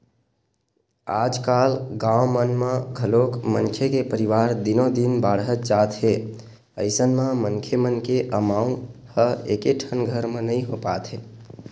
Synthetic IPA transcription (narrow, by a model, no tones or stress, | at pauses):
ad͡ʒkalɡãwmənmə̃ɡʱəlokmənkʰekepəɾiʋaɾd̪inod̪inbaɽɦət̪̚d͡ʒat̪ɦe | əɪsənmə̃məŋkʰemənkeʔəmaũhəḛkeʈʰənɡʱəɾmenəɪɦopat̪ʰɦe